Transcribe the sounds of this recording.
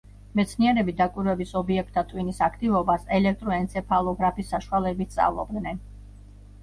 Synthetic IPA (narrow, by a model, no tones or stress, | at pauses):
mɛt̪sʰniɛɾɛbid̪akʼwiɾwɛbisɔbiɛk̚ʰt̪ʰːat̪ʼwinisakʰt̪ʼivɔbasɛlɛk̚ʰt̪ʼɾɔɛnt̪sʰɛpʰalˠɔɡɾapʰisːaʃualɛbit̪̚ʰt̪sʼa̰vlˠɔ̰b̚d̪nɛn